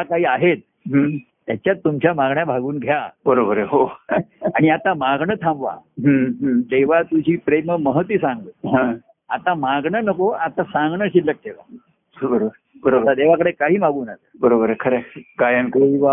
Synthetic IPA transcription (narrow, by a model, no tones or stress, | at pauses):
akaɦiːaɦet̪̚ | ɦ | t̪ːjat͡ɕjat̪ːumt͡ɕjamaɡɳjabʱaɡuːnɡʱjabəɾobəɾeɦo | aɽ̃iat̪amaɡɳət̪ʰãmʋa̰ɦəɦəd̪eʋat̪ud͡ʑiːpɾeməməɦət̪ʋisãŋɡəɦã | a̰t̪amaɡɳənəkoat̪asãŋɡɳəɕilːək̚d̪eʋa̰ | bəɾobɾ | bəɾoat̪ad̪eʋakəɽekaɦiːmaɡuːnasəbəɾobəɾkʰəɾeɡajənkʋa